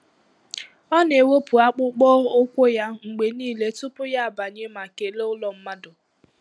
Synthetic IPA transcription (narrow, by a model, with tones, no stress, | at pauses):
ɔ˦n˨e˨wo˦pu˨a˦k͡pʊ˦k͡pɔ˦o˦kʷo˦ja˦ŋ͡m̩˨ɡ͡be˨niː˦˨le˦tʊ˦pʊ˦ja˦a˨ba˨ɲe˦ma˨ke˨le˦ʊ˦lɔ˨m̩˦ma˦dʊ˨